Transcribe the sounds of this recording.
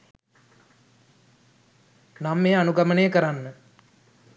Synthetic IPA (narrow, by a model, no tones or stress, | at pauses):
namːeanuɡamənejəkəɾanːə